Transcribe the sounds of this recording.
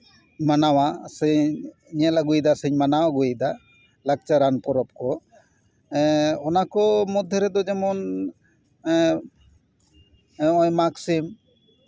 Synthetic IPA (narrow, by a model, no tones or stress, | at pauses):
manawasəɲ | ɲalaɡujd̪asəɲmanawaɡujd̪a | lak̚t͡ʃaɾanpɔɾɔp̚kɔ | ɔnakɔmɔd̪ʱjɔɾɛd̪ɔd͡ʒɛmɔn | ɔjmaksim